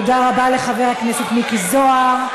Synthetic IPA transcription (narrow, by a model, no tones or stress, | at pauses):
odaʁabale̞χaveʁhakneset̪mikizoaʁ